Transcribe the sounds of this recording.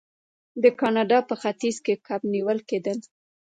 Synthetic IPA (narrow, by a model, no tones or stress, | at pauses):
d̪əkɑnɑɖɑpəxat̪izkekʰabniwəlked̪əl